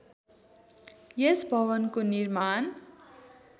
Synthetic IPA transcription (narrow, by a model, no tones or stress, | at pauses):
jesbʱʌβʌnkonirman